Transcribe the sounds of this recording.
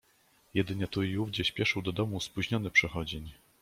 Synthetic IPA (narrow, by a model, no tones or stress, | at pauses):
jɛd̪ɘɲɛt̪uiuvd͡ʑɛɕpʲjɛʂɘwd̪ɔd̪ɔmuspuʑɲɔnɘpʂɛxɔd͡ʑeɲ